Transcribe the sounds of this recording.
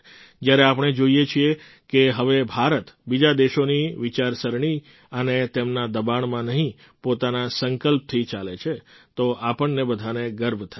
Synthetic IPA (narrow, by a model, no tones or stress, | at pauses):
d͡ʒjaɾeap̬əɳ̃ed͡ʒoijet͡ʃʰie | keɦəʋebʱaɾət̪bid͡ʒad̪eʃoniʋit͡ʃaɾsəɾɳi | ənet̪emnad̪əbaɳmãnəɦĩ | pot̪anasəŋkəlp̚t̪ʰit͡ʃalet͡ʃʰet̪oʔapəɳnebəd̪ʱaneɡəɾbʱt̪ʰa